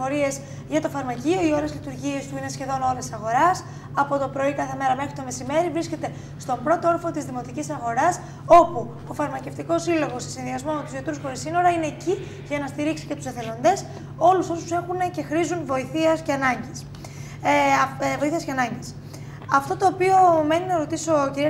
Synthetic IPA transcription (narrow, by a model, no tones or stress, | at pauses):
oɾie̞z | ʝɐt̪o̞fɐɾmɐcio̞io̞ɾezlit̪uɾʝie̞st̪uine̞sçe̞ðo̞no̞ɾe̞sɐɣo̞ɾɐs | ɐpo̞t̪o̞pɾo̞ikɐθe̞me̞ɾɐme̞xɾit̪o̞me̞sime̞ɾivɾiscʲe̞t̪e̞ | st̪o̞bɾo̞t̪oo̞ɾfot̪izðimo̞t̪icisɐɣo̞ɾɐs | o̞pu | ofɐɾmɐce̞ft̪iko̞silo̞ɣo̞se̞̥sinðiɐzmomet̪uzjot̪ɾusxo̞ɾisino̞ɾɐine̞ːci | ʝɐnɐst̪iɾiksi̥ce̞t̪u̥seθe̞lo̞nd̪e̞s | o̞luso̞su̥se̞xunece̞xɾizunvo̞iθiɐsce̞ɐnɐɲɟis | vo̞iθiɐsce̞ɐnɐɲɟis | ɐft̪o̞t̪o̞ːpio̞me̞ninɐɾo̞t̪iso̞ciɾi